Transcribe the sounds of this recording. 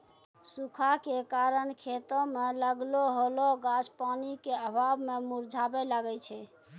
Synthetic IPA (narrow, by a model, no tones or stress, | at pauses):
sukʰakekaɾənkʰet̪ɔ̃meləɡloɦoloɡad͡ʒpanikeəbʱabmemuɾd͡ʒʱabɛlaɡɛt͡ʃʰɛ